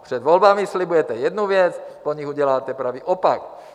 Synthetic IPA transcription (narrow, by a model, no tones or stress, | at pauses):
prɛd̪ʋɔlbamislibujɛt̪ɛjɛd̪nuʋɪɛt͡spɔɲiɣuɟɛlaːt̪ɛpɾaʋiʔɔpak